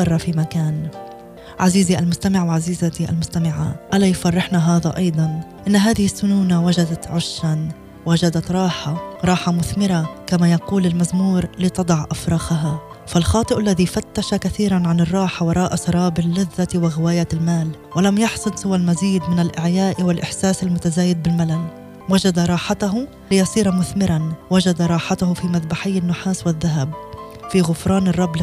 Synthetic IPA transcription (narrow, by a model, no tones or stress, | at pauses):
ɑrˤːɑfimakaːn | ʕaziːziʔalmʊst̪amɪʕwaʕaziːzat̪iʔa̰lmʊst̪amɪʕa̰ʔalajfɑrˤːɪħnaɦaːðaʔɑjd̪ˤɑnʔɪnːɦaːðɪhɪsːʊnuːnawaʒad̪at̪ʕʊʃːan | waʒad̪at̪ɾˤɑːħaɾˤɑːħamʊθmɪɾakamajɑquːlɪlmazmuːɾlɪt̪ɑd̪ˤɑʕʔafɾˤɑːxaɦa | falxɑːt̪ˤɨʔalːaðifat̪ːaʃakaθiːɾanʕanɨrˤːɑːħawɑɾˤɑːʔasˤɑɾˤɑːbɪlːɪðːat̪wɪɣɪwaːjalmaːl | walamjɑħsˤʊd̪sɪwalmaziːd̪mɪnalʔɪʕjaːʔwɪlʔɪħsaːsalmʊt̪azaːjɪd̪̚bɪlmalan | wad͡ʒad̪aɾˤɑːħat̪aɦʊ | lɪjɑsˤiːɾamʊθmɪɾʔanwad͡ʒad̪aɾˤɑːħat̪hʊfiːmaðbaħɪjːanːʊħaːswɪðːaɦab | fiːɣʊfɾˤɑːnɪrˤːɑbl